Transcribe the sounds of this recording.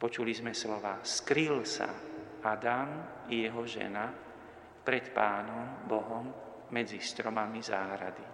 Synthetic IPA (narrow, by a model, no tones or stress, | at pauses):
pɔt͡ʃulizmɛslɔʋaːskɾilsa̰ | ad̪am | jɛɦɔʒɛ̰na | pɾɛt̪paːnɔmbɔɦɔmː | ɛd͡zist̪ɾɔmamizaːɦɾad̪i